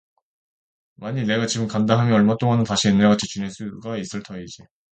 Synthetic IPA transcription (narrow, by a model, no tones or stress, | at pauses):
maɲine̞ɡat͡ɕiɡɯmkandaɦamjʌʌɭmat͈oŋanɯntaɕʰienːeɭɡat͡ɕʰi̥t͡ɕunes͈uɡais͈ɯɭtʰʌid͡ʑi